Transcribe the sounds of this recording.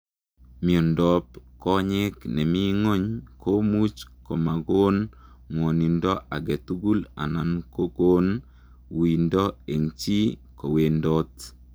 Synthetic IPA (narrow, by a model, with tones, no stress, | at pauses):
mi˨ɔ˨ndɔ˨pkɔ˦ɲɪ˦knɛ˨mi˦ŋo˦ɲko˦mu˦t͡ʃko˨ma˨ɡo˦n | ŋwo˨ni˨ndɔ˦ʔa˨ɡɛ˨t̪u˦ɡu˦la̰˨na˨nko˦ɡo˦n | wi˨ndɔ˦e˨ŋt͡ʃi˦ko˨we˨ndo˦t̪